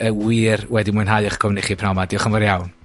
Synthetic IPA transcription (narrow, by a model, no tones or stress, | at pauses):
əwiːrwɛdimʊɨnɦajɔχkʰɔwnɪχipʰnawmadiɔχəmvɔɾjawn